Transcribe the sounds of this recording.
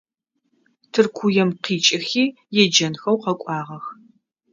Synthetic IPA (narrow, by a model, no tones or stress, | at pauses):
tʰɨrkʷʰujɛmqiːt͡ʃʼɪxiː | jɛd͡ʒɐnxɐwqɐkʷʼɑːʁɐx